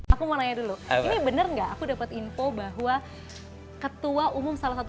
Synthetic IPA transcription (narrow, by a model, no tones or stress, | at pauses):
akumənaɲaduluinibənərŋɡaʔːkudapat̪infobaɦua | kət̪uaʔumʊmsalasat̪